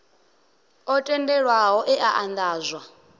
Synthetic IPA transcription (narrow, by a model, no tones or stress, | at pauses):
ɔtʼɛndɛɺwaɦɔʔɛʔaʔand̪aːzʷwa